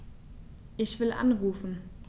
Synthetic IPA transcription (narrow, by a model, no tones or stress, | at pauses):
ʔɪçv̥ɪlʔa̰nʁuːfn̩